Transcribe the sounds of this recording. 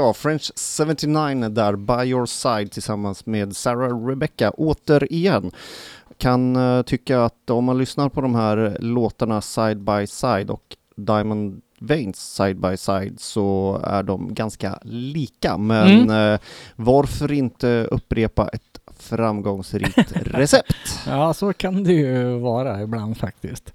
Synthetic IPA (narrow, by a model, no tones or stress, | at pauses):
jɑːfɾɛnɕsɛvənt̪ɪnaɪnd̪æɾbajɔsajd̪̚t̪ʰɪlsamːansmeːd̪sæɾaɾɛbɛkːaʔoːt̪əɾɪjɛnːkʰant̪ʰʏkːaːt̪ɔmːanlʏsnaɾpʰɔd̪ɔmhæːɾloːt̪aɳasajd̪̚bajsajd̪ɔ̰k | d̪aɪjmɔn | vɛɪnsːajd̪̚bajsajd̪sɔæ̰ɖɔmɡanska̰liːka̰mɛn | vaɾfœɾɪnt̪əɵ̰pːɾeːpa̰ʔɛt̪fɾamɡɔŋsɾḭːkt̪ɾɛsɛpt̪jɑːsokʰand̪ɛjɵvɑːɾaɪbland̪fak̚t̪ɪ̰skt̪